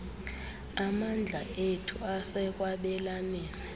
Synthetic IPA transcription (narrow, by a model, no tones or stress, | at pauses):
amand͡ɮʱaetʰuasɛk̬ʼwaɓɛlamɛːnɛ